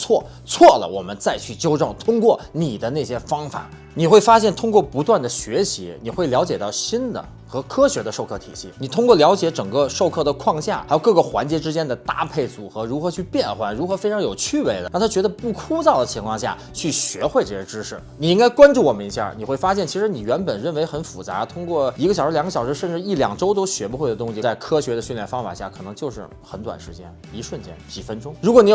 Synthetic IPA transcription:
t͡sʰwɔ˥˩ | t͡sʰwɔ˥˩lə̰˩wɔ̰˨˩mə̰˦nt͡sa˥˧ɪt͡ɕʰy˥˩t͡ɕjo˥ʊʈ͡ʂɤ˥˩ŋt̪ʰʊ˥ŋkwɔ˥˩ni˨˩d̪ə˦ne˥˩ɪɕjɛ˥fɑ˥ŋfa̰˨˩˦ | ni˨˩xwe˥˩ɪfa˥ɕjɛ˥˩nt̪ʰʊ˥ŋkwɔ˥˩pu˧˥t̪wa˥˩nd̪ə˩ɕɥɛ˧˥ɕḭ˧˥ni˨˩xwe˥˩ɪljɑ˧˥ʊt͡ɕjɛ˨˩t̪ɑ˥˩ʊɕi˥nd̪ə̰˨ | xɤ˧˥kʰɤ˥ɕɥɛ˧˥d̪ə˧ʂo˥˧ʊkʰɤ˥˩t̪ʰḭ˨˩ɕḭ˥˩ni˨˩t̪ʰʊ˥ŋkwɔ˥˩ljɑ˧˥ʊt͡ɕjɛ˧˥ʈ͡ʂɤ˨˩ŋkɤ˥˧ʂo˥˧ʊkʰɤ˥˩d̪ə˩kʰwɑ˥˧ŋɕja̰˥˩xa˥jkɤ˥˩ɡə˧˩xwa̰˧˥nt͡ɕjɛ˧˥ʈ͡ʂɻ̩˥t͡ɕjɛ˥nd̪ə˨t̪a̰˥˧pʰe˥˩ɪt͡su˨˩xɤ˧˥ɻu˧˥xɤ˧˥t͡ɕʰy˥˧pjɛ˥˩nxwa˧˥nɻu˧˥xɤ˧˥fe˥ɪʈ͡ʂʰɑ˧˥ŋjo˨˩ʊt͡ɕʰy˥˧we˧˥ɪlə̰˨˩a˥˩t̪ʰa˥t͡ɕɥɛ˧˥d̪ə˧pu˥˩kʰu˥t͡sɑ˥˩ʊd̪ə˩t͡ɕʰi˧˥ŋkʰwɑ˥˧ŋɕja̰˥˩ | t͡ɕʰy˥˩ɕɥɛ˧˥xwe˥˧ɪʈ͡ʂɤ˥˩ɕɛ˧˥ʈ͡ʂɻ̩˥ʂɻ̩˥˩ni˨˩i˥ŋka˥ɪkwa˥nʈ͡ʂu˥˩wɔ˨˩mə˦ni˧˥ɕja̰˥˩ni˨˩xwe˥˩ɪfa˥ɕ̬jɛ˥˩nt͡ɕʰi˧˥ʂɻ̩˧˥ni˨˩ɥɛ˧˥npə˨˩nɻə˥˩nwe˧˥ɪxə˧˥nfṵ˨˩t͡sa̰˧˥t̪ʰʊ˥ŋkwɔ˥˩i˧˥ɡə˧˩ɕɑ˨˩ʊʂɻ̩˧˥ljŋə˧ɕjɑ˨˩ʊʂɻ̩˧˥ʂə˥˧nʈ͡ʂɻ̩˥˧i˥˩ljɑ̰˨˩ŋʈ͡ʂo˥ʊt̪o˥ʊɕɥɛ˧˥pu˧xwe˥˩ɪə˩t̪̬ʊ˥ŋɕi˨˩t͡sa˥˩ɪkʰɤ˥ɕɥɛ˧˥d̪ə˧ɕy˥˧nljɛ˥˩nfɑ˥ŋfa̰˨˩ɕja˥˩kʰɤ˨˩ɤ˧˥ŋt͡ɕjo˥˧ʊʂɻ̩˥˩ | xə˧˥nt̪wa̰˨˩nʂɻ̩˧˥t͡ɕjɛ̰˥n | i˧˥ʂwə˥˩nt͡ɕjɛ̰˥nt͡ɕi˨˩fə˥nʈ͡ʂʊ˥ŋɻu˧˥kwɔ˧˥ni˧˥

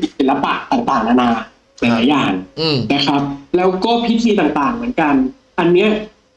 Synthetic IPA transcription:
i˨˩i˨˩nla˦˥paː˨˩t̪aː˨˩t̪aː˨˩ŋna˧naː˧ | na˧˩jlaː˨˩˦jaː˨˩ŋna˦˥kʰɾa˦˥p̚lɛː˦˥wkɔː˥˩pʰi˦˥t̪ʰiː˧t̪aː˨˩ŋt̪aː˨˩ŋmɯ˩˦ənka˧n | ʔa˧nːi˦˥ɐ

